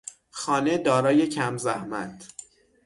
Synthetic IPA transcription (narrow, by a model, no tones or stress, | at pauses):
xɒːne̞d̪ɒːɾɒːje̞cʰæmzæhmæ̰t̪ʰ